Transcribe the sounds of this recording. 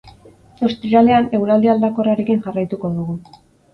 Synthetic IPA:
ost̪ɾiɾaleane̞wɾald̪iald̪ako̞raɾe̞kinʝarajt̪uko̞ðuɣu

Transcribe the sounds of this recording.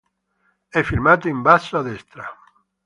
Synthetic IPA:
ɛfiɾmat̪oimbasaðɛst̪ɾa

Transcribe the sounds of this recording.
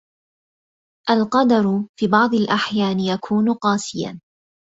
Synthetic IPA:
ʔalqɑd̪ɑɾˤʊfiːbɑʕd̪ˤalʔaħjaːnɪjakʰuːnʊqɑːsɪja̰

